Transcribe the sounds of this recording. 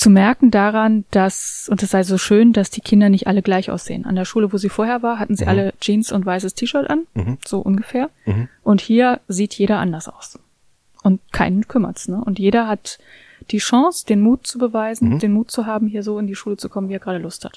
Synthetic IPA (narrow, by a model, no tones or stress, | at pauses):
t͡sumɛɐkŋ̩daʁand̥asʔʊntɛsz̥aɪzoːʃøːndasd̥iːkʰɪndɐnɪçtʔaləɡlaɪçʔa̰ʊsz̥ḛːəna̰ndeːɐʃuːləvoːziːfoːɐɦeːɐvaːɐɦatn̩zḭːʔaləd͡ʒiːnsʊntv̥aɪsəstʰiːʃœɐtʔanz̥oːʔʊnɡəfeːɐʔʊnthiːɐziːtʰjeːɾɐʔa̰ndɐsʔa̰ʊs | ʔʊnt̚kʰaɪnənkʰʏmɐ̰tsnəʔʊntjeːɾɐɦat | d̥iːʃɑ̃ŋsd̥eːnmuːt̚t͡subəvaɪzn̩deːnmuːt̚t͡suɦaːbm̩hiːɐzoːɪndiːʃuːlət͡sukʰɔmənviːɛɐɡʁaːɾəlʊstha̰t